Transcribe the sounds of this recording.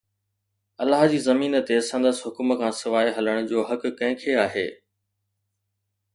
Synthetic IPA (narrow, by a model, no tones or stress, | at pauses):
ɐlːaɦd͡ʑiːzɐmiːnə̆t̪esɐ̃nd̪əsɦʊkʊmkʰãːsɪʋaːiɦɐləɽ̃ʊ̆d͡ʑoːɦɐkːɐ̃ɦɪ̃kʰeaːɦḛː